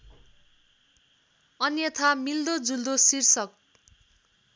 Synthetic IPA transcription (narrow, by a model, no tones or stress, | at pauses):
ʌnjʌt̪ʰamild̪od͡zuld̪osirsʌk̚